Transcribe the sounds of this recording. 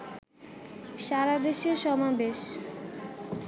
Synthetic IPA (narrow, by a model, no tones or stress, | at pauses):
ʃaɾad̪eʃioʃɔmabeʃ